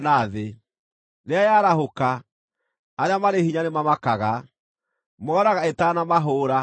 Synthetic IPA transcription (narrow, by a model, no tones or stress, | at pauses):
naðe | ɾeajaɾaɦokaː | ɾamaɾehiɲanemamakaɣa | mɔːɾaɣaetanamaɦoːɾa